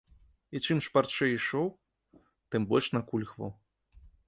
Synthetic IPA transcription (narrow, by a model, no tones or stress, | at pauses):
it͡ʂɨmʂpart͡ʂɛiʂɔw | t̪ɨmbɔlʲʂnɐkulʲxvɐ̰w